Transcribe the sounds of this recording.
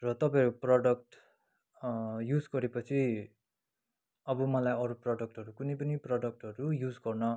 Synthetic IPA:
rʌt̪ʌpãʌɾuprʌɖʌk̚ʈ | jud͡zɡʌɾepʌt͡sʰi | ʌbʌmʌlajʌɾuprʌɖʌk̚ʈʌɾukunʌjpʌniprʌɖʌk̚ʈʌɾujud͡zɡʌrnʌ

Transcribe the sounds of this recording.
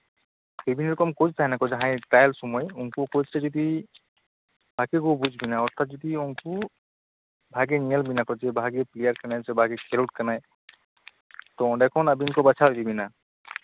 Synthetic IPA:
bebiniɾɔkɔmkɔd͡ʒtʰaɦnakɔd͡ʒaɦãjʈajlsɔmɔjuŋkukɔd͡ʒsazɔd̪i | b̥ʱakekobud͡ʒʱbinaɔɾt̪ʰat̪̚d͡ʒɔd̪iuŋku | bʱaɡenialbinakɔd͡ʒebʱaɡeplijaɾkanajzebʱaɡekʰeɾuʈ̚kanaj | t̪ɔɔɖakʰɔnabinkɔbat͡ʃʰabibina

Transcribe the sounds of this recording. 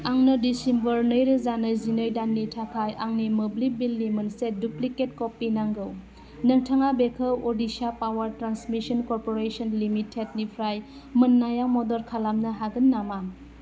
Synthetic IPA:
aŋnədisimbəɾnəjɾɯzanəzinəjdanːitʰakʰajʔaŋnimɯblibilːimɯnsedupliket̚kɔpːinaŋɡɯw | nɯŋtʰaŋabekʰəwodisapawəɾtɾansmisɔnkɔɾpoɾesɔnlimitʰːet̚nipʰɾaj | mɯnːajamɔdɔɾkʰalamnɐɦaɡənːama

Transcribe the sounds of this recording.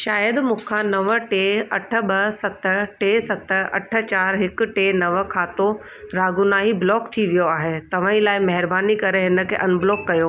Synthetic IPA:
ʃaːjəd̪mʊ̃kʰãnɐʋə̆ʈeːɐʈʰə̆bɐsɐt̪əʈeːsɐt̪əɐ̰ʈʰə̆t͡ɕaːɾɦɪk̆ʈeːnɐʋə̆kʰaːt̪o | ɾaːɡʊnaːɦiblɔːkt̪ʰiʋijoaːɦet̪ɐʋ̤ãːĩlaːɪmɐɦɪɾbaːnikɐɾeɦɪnə̆kʰḛːʔɐnbɪlɔːkːɐjo

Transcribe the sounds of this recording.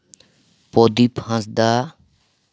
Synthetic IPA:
pɔd̪ipʰãsd̪a

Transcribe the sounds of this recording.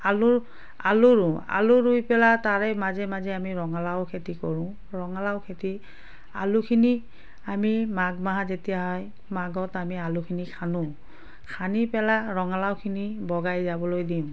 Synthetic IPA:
alʊ | a̰lʊɹʊ̃a̰luɹujpɛlataɹɛmazɛmazɛamiɹɔŋalaʊkʰetikɔɹʊ̃ | ɹɔŋalaʊwkʰeti | a̰lukʰini | amimaɡmaɦazetijaɦɔj | maɡɔtamialukʰinikʰanʊ̃ | kʰanipɛlaɹɔŋalawkʰinibɔɡajzabɔlojdim

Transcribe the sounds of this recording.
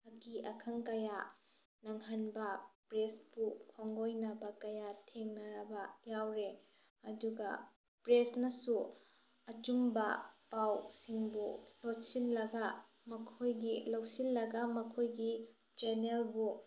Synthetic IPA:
ɐkiɐkʰɐŋkɐja | nɐŋɦanbɐpɾesbukʰoŋɡojnɐbɐkɐjatʰeŋnɐɾɐbɐjawɾe | ɐduɡɐ̰ | pɾesnɐsu | ɐt͡ʃumbɐpawsiŋbulotsinlɐɡɐ | mɐkʰojɡilowsilːɐɡɐmɐkʰojɡi | d͡ʒenelbu

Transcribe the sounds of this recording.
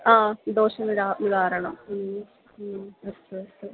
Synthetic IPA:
aːd̪oːɕɐmiɾaʋidaːɾɐɳɐm̩ː | ɐɕeːɐeː

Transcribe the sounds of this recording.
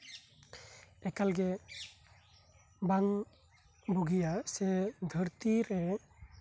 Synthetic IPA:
ɛkalɡɛ | baŋ | buɡijasɛd̪ʱəɾt̪iɾɛ

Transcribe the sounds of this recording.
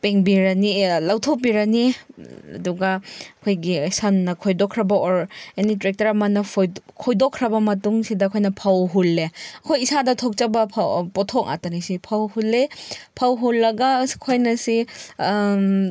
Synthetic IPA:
peŋbiɾɐnilawtʰop̬iɾɐniɐ̰duɡɐɐkʰojɡisɐnːɐkʰojdokʰɾɐbɐɔɾenitɾek̚tɐɾɐmɐnɐjkʰɔjdokʰːɾɐbɐmɐtuŋsidɐːkʰojnɐpʰawɦulːeɐkʰojisadɐtʰok̚t͡ʃabɐpʰpɔtʰɔk̚a̰tɐnisipʰawhulːepʰawɦulːɐɡɐkʰojnɐsi

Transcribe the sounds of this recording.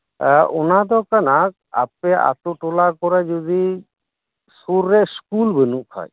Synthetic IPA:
ʔonad̪ɔkanak̚ | a̰p̚ea̰t̪uʈolakɔɾad͡ʒud̪i | suɾːeskulbenuʔkʰɔ̰j

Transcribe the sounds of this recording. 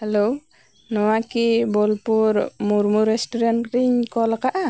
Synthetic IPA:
hɛlo | nɔwakibɔlpuɾmuɾmuɾɛstɔɾankɾiɲkɔlakaʔa

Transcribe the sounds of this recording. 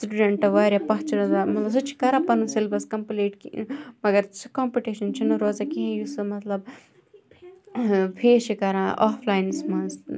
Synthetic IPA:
sʈuɖeɳʈɐʋaːɾʲjapɐɦt͡ʃiɾɐzamɐs̬ut͡ʃʰi̥kɐɾãːpɐnusilbɐskɐmpleːʈkmɐɡɐɾt͡ʃʰi̥koːmpiʈiːʃɐnt͡ʃʰinuɾoːzakiɦẽjusɨmɐt̪lɐb̚ | pʰeːʃikɐɾãːʔaːpʰlaːjnsmɐns

